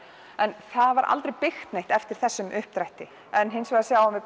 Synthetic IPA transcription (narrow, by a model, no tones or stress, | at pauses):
ɛnθaðvaɾʔa̰lt̪ɾejpɪxt̪nejht̪ɛft̪ɪɾ̥θɛsːʏmʔʏhp̚t̪ɾajht̪ɪ | ɛnɦɪnsvɛɣðasjaːwamvɪ